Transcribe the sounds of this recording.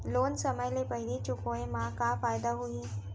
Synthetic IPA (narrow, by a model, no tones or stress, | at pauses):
loːnsɐməjlepəɦɪlit͡ʃʊkoẽmãkafaːjd̪aɦui